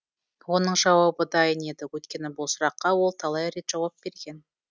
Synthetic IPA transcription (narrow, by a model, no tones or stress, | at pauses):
wo̞nəɴʒɑwɑbəd̪ɑjəne̞d̪ɪwɵt̪kʲe̞nɪbʊlˠsʊɾɑqːɑwo̞lˠt̪ʰɑlˠɑjɾe̞t̪ʒ̥ɑwɑp̚b̥e̞ɾɡʲe̞n